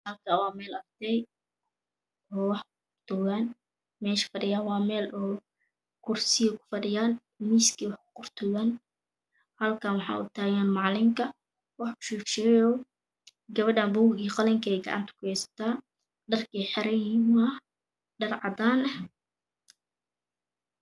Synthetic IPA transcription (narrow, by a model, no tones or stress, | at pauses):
hɐlkʰaːwɑːmɛːlɐrd̪ɛj | ʔɔːwɑħkʊqʊrt̪ʰʊɣaːn | mɛːʃɐ̥fɐɖɪjaːnwɑːmɛːlʔɔː | kʰʊrsɪjɔkʰʊ̥fɐɖɪjaːn | miːskʰiːwɑħkʰʊ̥qʊrt̪ʰʊɔɣaːn | hɐlkʰanwɑħɑ̰ːʔʊ̰t̪ʰaːɣaːnmɑʕlɪmkʰɐ | wɑħʊ̥ʃuːkʃɛːjɔː | ɡɐβɐɖaːmbuːɣiːqɐlɛŋkʰɐɛjɡɐ̰ʕɑ̰nt̪ʰɐ̥kʰʊjɛjsɐ̥t̪ʰaː | ɖɐrkʰiːħɛɾɛim | ɖɐrʕɑd̪aːnɐ